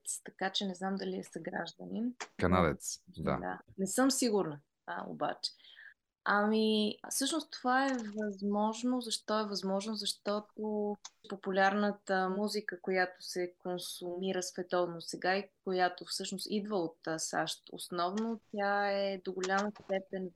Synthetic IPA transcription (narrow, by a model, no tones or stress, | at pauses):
t̪st̪ɐkat͡ʃɛnɛznamd̪ɐliɛsɐɡɾa̰ʒd̪əninkɐna̰d̪ɛ̰t̪sd̪a̰d̪a̰nɛsɤmsiɡʊɾnə | o̰ba̰t͡ʃɛ̥ | ɐmifsɤʃnʊst̪ovaɛvɐzmɔʒnozɐʃt̪ɔɛvɐzmɔʒnozɐʃt̪ɔt̪opopulʲaɾnət̪əmuzikəkojat̪o̥sɛkonsʊmiɾəsvɛt̪ɔvnosɛɡaikojat̪ofsɤʃnost̪id̪vəot̪sa̰ʃt̪o̰snɔvnot̪ʲjaɛd̪oɡolʲaməst̪ɛpɛn